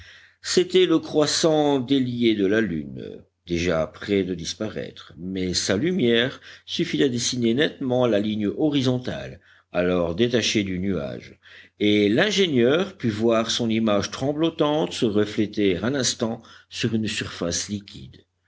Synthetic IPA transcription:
set̪ɛləkχwasɑ̃d̪eljed̪əlaly̰n | d̪eʒapχɛd̪əd̪ispaʁɛ̰t̪χmɛsalymjɛʁsyfit̪ad̪esinenɛt̪mɑ̃laliɲjɔʁizɔ̃t̪a̰l | alɔʁd̪et̪aʃed̪ynya̰ʒelɛ̃ʒenjœʁpyvwaʁsɔ̃nimaʒt̪χɑ̃blɔt̪ɑ̃t̪səʁəflɛt̪ɛʁɛ̃nɛ̃st̪ɑ̃syʁynsyʁfaslikʲʰḭd̪

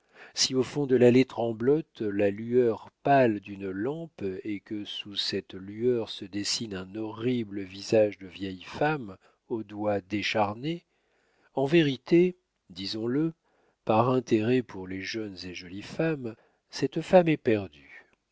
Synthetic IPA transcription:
siofɔ̃d̪əlalet̪χɑ̃blɔt̪lalyœʁpald̪ynlɑ̃pekəsusɛt̪lyœʁsəd̪esinɛ̃nɔʁibləvizaʒd̪əvjɛjfam | od̪wad̪eʃaʁne | ɑ̃veʁit̪e | d̪izɔ̃lə | paʁɛ̃t̪eʁɛpʰuʁleʒœnzeʒɔlifam | sɛt̪famɛpɛʁd̪y

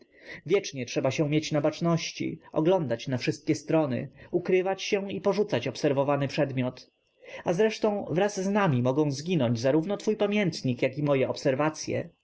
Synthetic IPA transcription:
vʲjɛt͡ʂɲɛtʂɛbaɕɛ̃mjet͡ɕnabat͡ʂnɔɕt͡ɕḭɔ̰ɡlɔnd̪at͡ɕnafʂɘst̪̚kʲɛst̪ɾɔnɘ̰ukɾɘvat͡ɕɕɛipɔʐut̪sat͡ɕɔpsɛɾvɔvanɘpʂɛd̪mʲjɔt̪ | azɾɛʂt̪ɔ̃w̃vɾazːnamʲimɔɡɔ̃w̃zɡʲinɔɲd͡ʑzaɾuvnɔt̪fujpamʲjɛnt̪ɲikjakimɔjɛɔpsɛɾvat̪sʲjɛ̰

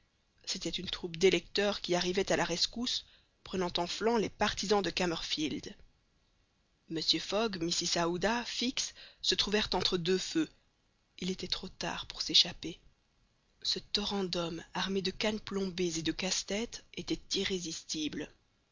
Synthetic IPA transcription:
set̪ɛt̪ynt̪χupd̪elɛk̚t̪œʁkʲiaʁivɛt̪alaʁɛskus | pχənɑ̃t̪ɑ̃flɑ̃lepaʁt̪izɑ̃d̪əkamœʁfild̪ | məsjøfɔɡmisisaud̪afiksːət̪χuvɛʁt̪ɑ̃t̪χəd̪øfø | ilet̪ɛt̪χot̪a̰ʁpuʁseʃape | sət̪ɔʁɑ̃d̪ɔmaʁmed̪əkanplɔ̃bezed̪əkast̪ɛt̪et̪ɛt̪iʁezist̪ibl

